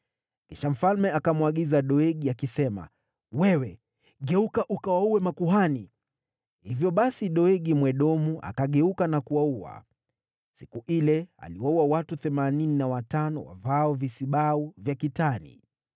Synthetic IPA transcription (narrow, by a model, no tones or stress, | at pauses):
kiʃam̩falmɛakamwaɠizaɗɔɛɠiakisɛma̰ | wɛwɛ | ɠɛukaʔukawauwɛmakuɦani | hivjɔɓasiɗɔɛɠimwɛɗɔmuʔa̰kaɠɛukanakuwauwa̰ | sikuʔilɛa̰liwauwawatuθɛmanininawatanɔ̰wa̰vaɔvisiɓauvjakitanḭ